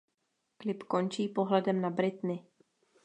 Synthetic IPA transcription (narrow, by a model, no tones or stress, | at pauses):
klɪpko̞nt͡ʃiːpo̞ɦlɛdɛmnabɾɪt̪nɪ